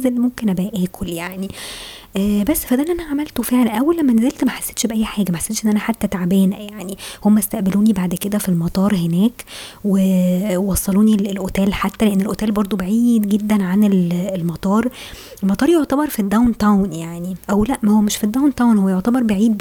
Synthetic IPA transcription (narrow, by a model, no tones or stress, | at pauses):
zelːimomkenʔæbæʔæːkʰoljaʕniʔːbæsːfæd̪ænʔænæʕamælt̪ofeʕlænʔæwːælːæmːænæzelt̪mæħḁsːe̥t̪ʃbeʔæjːħaːɡæmæħḁsːet̪ʃʔenːʔænæħat̪ːæt̪aʕabæːnæjaʕnihomːæst̪æʔbeluːnibaʕd̪ked̪æfilmɑt̪ˤɑːɾˤhenæːkwewɑsˤːɑluːnilelʔot̪æːlħat̪ːæleʔenːelʔot̪æːlbɑɾˤd̪ˤobeʕiːd̪ɡed̪ːænʕanelelmɑt̪ˤɑːɾˤ | ʔelmɑt̪ˤɑːɾˤjoʕt̪æbɑɾˤfid̪ːæwnt̪æwnjaʕniʔæwlæʔmæhowːæmeʃfid̪ːawnt̪awnhowːæjoʕt̪æbɑɾˤbeʕiːd̪̚